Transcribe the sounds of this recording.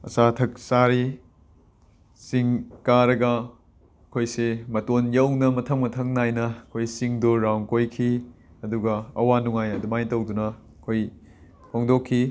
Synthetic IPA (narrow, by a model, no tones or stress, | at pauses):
ɐ̰satʰɐk̚saɾi | siŋkaɾɐɡɐ | ɐkʰojsemɐtonjɐwnɐmɐtʰɐmɡɐtʰɐŋnajnɐɐkʰojsiŋduɾawŋkojkʰi | ɐduɡɐɐwanuŋajɐdumajtɐwdunɐ | kʰoj | hʰoŋdokʰːi